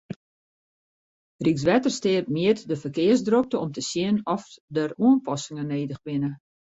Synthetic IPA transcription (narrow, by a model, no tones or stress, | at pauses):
riks̬ʋɛtərstɪːrt̚miətdəfərkɪərzdrok̚təɔmtəsjɪənɔfdəruənpɔsɪŋəneːdəxʋɪnə